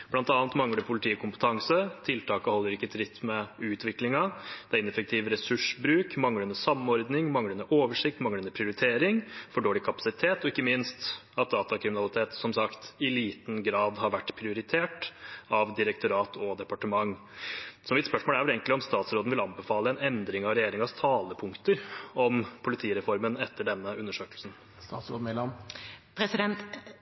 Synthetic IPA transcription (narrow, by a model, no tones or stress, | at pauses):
b̥lɑnt̪ɑːnt̪mɑŋləɖɛpʰʊlɪt̪ʰiːəkʊmpə̥t̪ʰɑŋsət̪ʰɪlt̪ɑːkəhɔlːəɾɪkːət̪ʰɾɪt̪ːmɛʉːt̪ʰʋɪklɪŋɑd̪̥ɛæɪnɛfək̚t̪ʰiːʋəɾɛsʉʂbɾʉːkmɑŋːəɛnəsɑmːɔɾd̪nɪŋmɑŋəʉnəʔoːʋəʂɪk̚t̪mɑŋːəɛnəpʰɾɪʊɾɪt̪ʰeːɾɪŋfɔɖoːlɪkʰɑpɑ̥sɪt̪ʰeːt̪ɔɪkːəmɪnst̪ɑt̪̚d̪ɑːt̪ɑkʰɾɪmɪnɑlɪt̪ʰeːt̪sɔmsɑkt̪ɪliːt̪n̩ɡɾɑːd̪ɦɑɾʋæʈːpʰɾɪʊɾɪt̪ʰeːʈɑʋd̪ɪɾək̚t̪ʊɾɑːt̪ʰɔd̪ɛpɑʈəmɑŋː | sɔmɪt̪spœʂmoːlæɾʋɛleːɡŋk̪lɪɔmst̪ɑːt̪sɾoːd̪n̩ʋɪlɑnbɛfɑːləɛnɛnd̪ɾɪŋɑʋɾɛjeːɾɪŋɑst̪ʰɑːləpʰʊŋkt̪əɾɔmpʰʊlɪt̪ʰiːɾɛfɔɾmənɛt̪ʰːəɖɛnːəʉnːəʂøːklsn̩ | st̪ɑ̰ːt̪sɾo̰ːd̪mɛlɑmpʰɾɛsɪd̪ɛnt̪